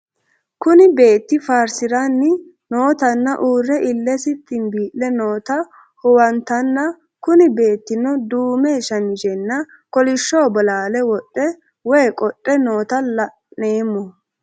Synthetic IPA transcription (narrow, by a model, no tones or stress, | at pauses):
kʊnɪbe̞ːt̪ːɪfaːɾsɪɾanːɪ | no̞ːt̪ɐnːɐʔuːrːɛʔɪlːɛsɪt̪ːɪnbiːʔlɛnoːt̪ɐ | hʊwɐnt̪ɐnːɐ | kʊnɪbe̞ːt̪ːɪnɔd̪uːmɛʃɐnɪd͡ʒɛnːɐ | kɔlɪʃːoːbɔlaːlɛwɔtʼːɛ | wɔjkʼɔtʼːɛno̞ːt̪ɐlɐ | neːmːɔ